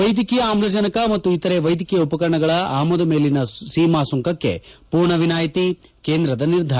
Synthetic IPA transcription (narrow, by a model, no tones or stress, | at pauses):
ɐjd̪ikijɐaːmlɐd͡ʒɐnɐkɐmɐt̪ːuit̪ɐɾe̞ʋɐjd̪ʱikɛjɐupɐkɐɾɐɳɐɡɐɭɐaːmɔd̪ɐme̞ːlinɐsiːmaːsuŋkɐkːe̞̰puːɾɳɐʋinaːjɐt̪ike̞ːnd̪ɾɐd̪ɐniɾd̪ʱaː